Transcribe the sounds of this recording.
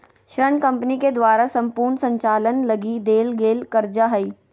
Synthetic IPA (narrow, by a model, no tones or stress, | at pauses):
ʃɾəɳkɐ̃mpniked̪ʋaːɾasɐ̃mpuːɾɳsɐ̃ɲt͡ʃaːlənlɐɡid̪eːlɡeːlkɐɾd͡ʒaɦɐiː